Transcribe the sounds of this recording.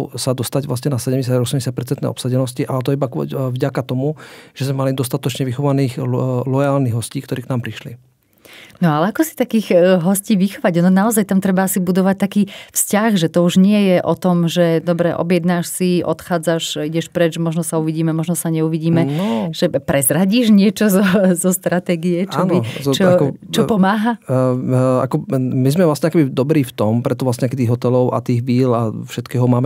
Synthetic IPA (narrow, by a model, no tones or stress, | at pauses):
sad̪ɔst̪aɟʋlas̬ɲɛnasɛɟɛmɲɟɛs̬aaɔsɛmɲɟɛsjac̚pɛɾtt͡sɛnt̪ɛ̰ɔpsaɟɛnɔsciʔalɛt̪̬ɔiba̰vɟakat̪ɔmuʒ̥ɛzmɛmalid̪ɔst̪at̪ɔt͡ʃɲɛʋixɔʋaniːɣlɔjaːlniɣɦɔsciːkt̪ɔɾiːknaːmpɾiʃlḭ | nɔalɛakɔsi̥t̪akiːɣɦɔsciːʋixɔʋaɟnɔnaɔzajt̪amt̪ɾɛbaasibud̪ɔʋac̚t̪akiːfscaɣʒɛt̪ɔuʒɲɪɛjɛʔɔt̪ɔmʒɛd̪ɔbɾɛʔɔ̰bjɛd̪naʃsiɔ̰t̪xaːd͡zaʃiɟɛʃpɾɛd͡ʒmɔʒnɔsauʋiɟiːmɛmɔʒnɔsaɲɛuʋiɟiːmɛnɔʒ̥ɛpɾɛzɾaɟiːʒɲɪɛt͡ʃɔzɔzɔst̪ɾat̪ɛːɡijɛt͡ʃɔbit͡ʃɔkɔt͡ʃɔpɔmaːɦa | a̰kɔmizmɛvlasɲɛakɛbid̪ɔbɾiːft̪ɔmpɾɛt̪ɔʋlasɲɛakɛt̪iːɣɦɔt̪ɛlɔʊʔa̰t̪iːɣʋiːla̰fʃɛt̪kɛːɦɔmaːmɛ